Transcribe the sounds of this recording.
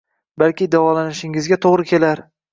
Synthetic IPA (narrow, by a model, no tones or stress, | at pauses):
balkʲɪd̪avɒlanɪʃɪŋɪzɡʲat̪ʰoʁɾɪkʲʰe̞laɾ